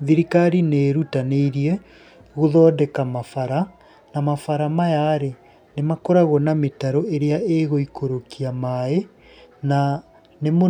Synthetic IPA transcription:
ðiɾikaɾineːɾutaneiɾiɛ | ɣoðɔːdɛkamafaɾa | namafaɾamajaɾe | nemakoɾaɣɔnametaɾoeɾeaeɣoikoɾokiamae | na | nemo

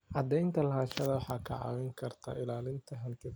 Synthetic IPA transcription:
ʕɑd̪ɛjnt̪ʰɐlɐɦaːʃɐðɐwɑħɑːkʰɐʕɑ̰ːwɛŋkʰɐrt̪ʰa̰ːʔɪlaːlɪnt̪ʰɐɦɐnkʰɪð

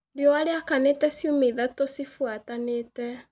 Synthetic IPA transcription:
ɾeɔwaɾeakaneːtɛsjomeðatosifwataneːtɛ

